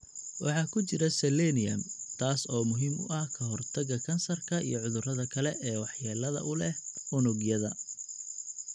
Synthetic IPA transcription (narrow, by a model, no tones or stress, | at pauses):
wʔɑħɑːkʰʊt͡ʃɪɾɐsɛlɛnɪjɐmt̪ʰaːsɔːmʊɦiːmʔʊ̰ʔɐhkʰɐɦɔrt̪ʰɐɣɐkʰɐnsɐrkʰɐḭjɔʕʊðʊrɐðɐkʰɐlɛʔɛːwɑħjaːlɐðɐ̰ʔʊlɛhʊnʊɡjɐðɐ